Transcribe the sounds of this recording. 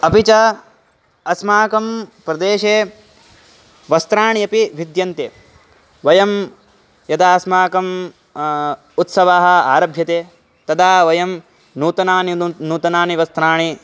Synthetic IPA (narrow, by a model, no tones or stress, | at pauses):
ɐpit͡ʃɐ | ɐsmaːkɐmpɾɐd̪eːʃeː | ʋɐst̪ɾaːɳiɐpiʋid̪jɐnt̪e | ʋɐjɐm | jɐd̪aːsmaːkɐm | ut̪sɐʋaːɦɐ̆aːɾɐbʱjɐt̪eː | t̪ɐd̪aːʋɐjɐm | nuːt̪ɐnaːninuːt̪ɐnaːniʋɐst̪ɾaːɳi